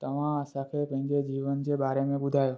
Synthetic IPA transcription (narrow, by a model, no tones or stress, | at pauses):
t̪əʋãəsakʰepə̃ɡed͡ʒiʋənd͡ʒebaɾemẽbud̪ʱajo